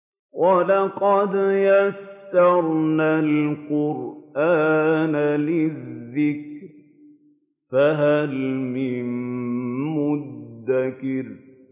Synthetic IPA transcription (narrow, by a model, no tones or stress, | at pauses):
wʔɑlɑqɑd̪jast̪ɑɾˤnalqʊɾʔaːnalɪððːɪkɾ | faɦalmɪm | mʊddd̪ːakɪɾ